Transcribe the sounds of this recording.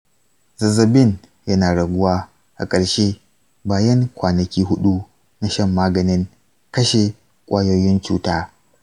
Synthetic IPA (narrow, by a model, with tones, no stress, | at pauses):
zɐ˨zɐ˨bɪ˦˨n | jɐ˦naː˨ɽɐ˨ɡʷʊ˦waː˦ | ʔa̰˨kʼɐ˨ɽʃe˦ | baː˨jɐ˦ŋkʷaː˨nɐ˨kʲiː˦ɦʊ˦ɗu˦ | na˨ʃɐ˦˨mːaː˦ɡɐ˨nɪ˦ŋ | kɐ˦ʃe˨ | kʷʼaː˦jo˦jɪ˦nt͡ʃṵː˦taː˦